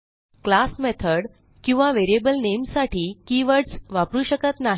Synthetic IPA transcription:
klasmet̪ʰəɽ | kĩw̃ʋaʋeɾiebəlnemsaʈʰiːkiʋəɽsʋapɾuːɕəkət̪naɦ

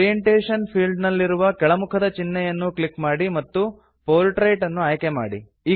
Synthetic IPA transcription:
ijeɳʈeːʂɐnpʰiːlɖnɐlːiɾuʋɐkɛɭɐmukʰɐd̪ɐt͡ʃinːɛjɐnːukɭikmaːɽimɐt̪ːu | poːlʈɾɐjʈɐnːuaːjkema̰ːɽḭ | iː

